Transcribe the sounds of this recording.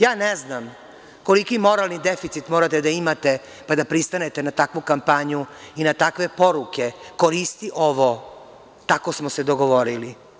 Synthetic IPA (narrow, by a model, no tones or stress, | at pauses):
jaːneznam | ko̞likimo̞ɾalˠnid̪efit̪sit̪moːɾat̪ed̪aimat̪e̞ | pad̪apɾist̪ane̞t̪enat̪akʋukampaɲuinat̪akʋe̞po̞ɾuke̞koɾist̪iʔoʋo | t̪akosmosed̪oɡo̞ʋoɾili